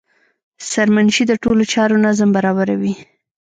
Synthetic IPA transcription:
saɾmanʃid̪əʈolot͡ʃɑɾonazambaɾɑβaɾawi

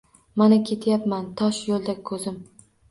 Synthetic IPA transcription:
manakʲʰe̞t̪ʰjapmant̪ʰɒʃjolˠd̪akʰɵzɪm

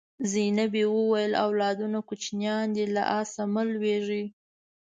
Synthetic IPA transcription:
zinabewəwajəla̰wlɑd̪unakut͡ʃnjɑnd̪ela̰ʔɑsaməlweʐi

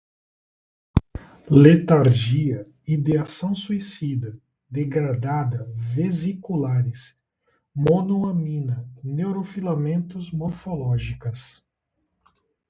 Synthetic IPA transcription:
let̪aɾʒiɐ | id̪easɐ̃w̃suisid̪ɐ | d̪eɡɾad̪ad̪ɐvezikulaɾɪs | monuɐmĩnɐnewɾofilamẽnt̪ʊzmoɾfolɔʒikɐs

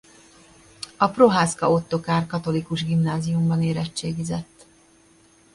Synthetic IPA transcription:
ɒpro̞ɦaːskɒo̞t̪ːo̞kaːrkɒt̪o̞likuʒɡimnaːzijumbɒneːɾɛt͡ʃːeːɡizɛt̪ː

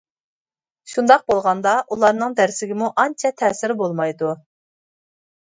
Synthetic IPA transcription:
ʃund̪ɑq̚bolˠʁɑnd̪ɑʔulˠɑɾnɨŋd̪æɾsɪɡʲɪmuʔɑnt͡ʃʰɛt̪ʰɛːsɪɾbolˠmɑjd̪u

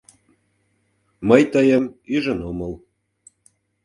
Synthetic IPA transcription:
məjt̪əjəmyʒə̆noməl

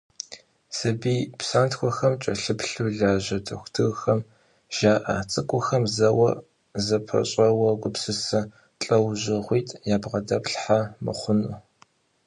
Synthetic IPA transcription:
sɐbiːpsaːntxʷɔxɐmt͡ʃʼɐɬɨpɬuːɮaːʑɐtʰɐxʷtʰɨɣxɐm | ʒ̥aːʔa̰ːt͡sʼɨkʷʼʊxɐmzɐwɐ̰ | zɐpʰɐ̰ɕʼɐwɐɡʷʊpsɨsɐ | t͡ɬʼɐwʑɪʁʷiːtʰʼjaːbʁɐdɐpɬħamɨ̰χʷʊnu

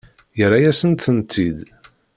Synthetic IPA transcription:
jəɾajæsənt̪θənt̪ʰːid̪

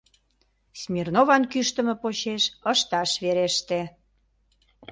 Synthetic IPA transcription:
smʲirnovɑnkyʃt̪ə̆mə̆pot͡ɕeʃəʃt̪ɑʃβeɾeʃt̪e

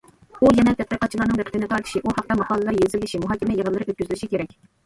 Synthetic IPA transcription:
ujɛnɛt̪ʰɛt̪̚qiɾqʰɑt̪̚t͡ʃʰilˠɑɾnɨŋbɛqʰɪt̪ɪnɨt̪ʰɑɾt̪ʰɨ̥ʃiʔuhɑq̚t̪ɑmɑqʰɑːlˠɨlɾjezɪlːɪʃimuɦɑːkʲimɛjəʁəlˠːɨɾɪøt̪̚ʲyzylɪʃikʲʰeɾɛk̚ʲ

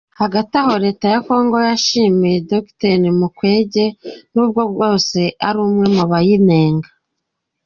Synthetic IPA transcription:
haɡataho̞ɾe̞ːtajako̞ːŋɡo̞jaʃiːmijedoktenimukwe̞ːɟe̞nuːb̚ɡo̞b̚ɡo̞ːse̞ʔaɾuːmŋe̞muβajine̞ːŋɡa

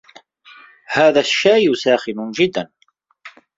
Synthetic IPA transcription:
haːðaʃːajʊsaːxɪnʊnd͡ʒɪd̪ːan

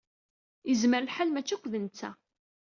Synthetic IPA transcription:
əzməɾlħalmæt͡ʃːækʷːðənt͡sːæ̰

